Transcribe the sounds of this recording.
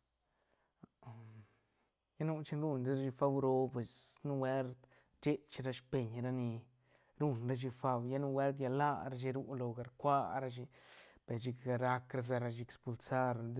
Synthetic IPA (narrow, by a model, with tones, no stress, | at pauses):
ja˦nu˦t͡ʃi˧nɾu˧nd̪e˦ɾa˦ʃi˧fa˧wɾo˧pwe˨snu˦we˦lt̪ | t͡ʃe˦t͡ʃɾa˧ʃpe˨ɲɾa˦ni˧ | ɾu˧nɾa˦ʃ̬i˧fa˧wja˦nu˦˧we˦lt̪̬ja˧la˦˧ɾa˧ʃ̬i˧ɾu˦lo˧ɡa˨ɾkʷa˦ɾa˧ʃ̬i˧pe˨ɾt͡ʃi˧kɡa˧ɾa˧kɾa˧z̬a˧ɾa˧ʃi˧e˧kspu˧lsa˦ɾ